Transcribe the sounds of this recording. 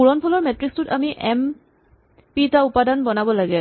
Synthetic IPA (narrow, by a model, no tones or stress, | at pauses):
uɹɔnpʰɔlɔɹmɛtɹikstʊta̰miʔɛm | pitaʊpadanbɔnabɔlaɡɛ